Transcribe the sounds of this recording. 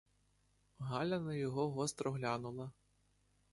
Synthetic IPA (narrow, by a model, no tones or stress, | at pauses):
ɣalʲɐnɐjɔɣɔɣɔst̪ɾɔɣlʲanulˠɐ